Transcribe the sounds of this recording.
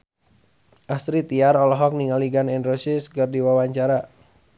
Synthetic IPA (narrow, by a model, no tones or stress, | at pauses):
ʔasɾit̪iaɾɔlɔɦɔk̚niŋaliɡanɛnrosisɡərdiwawaɲt͡ʃaɾa